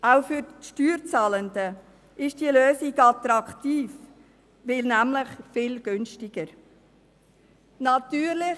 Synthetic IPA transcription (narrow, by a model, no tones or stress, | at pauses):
ʔaʊfyɾʃtyːɾt͡sɑːləndə | ʔɪʃd̥iəløːsɪɡɑt̪ɾɑktiːf | ʋɪlnæmlɪχfɪːlɡ̥ʏnʃtɪɡ̥əɾ | nɑt̪yːɾlɪ